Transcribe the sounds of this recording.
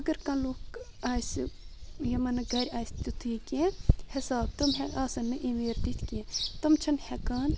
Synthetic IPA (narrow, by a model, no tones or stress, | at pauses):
ɐɡɐɾkɐ̃loːk | aːs | jɐmɐnɐɡɐɾʲaːjsʲt̪ʲut̪ʰɨːkẽhɐsaːb̚t̪ɐmɦɛaːsɐnːɨʔimeːɾd̪it̪ʰkẽt̪ɐmt͡ʃʰɐnhɛkaːn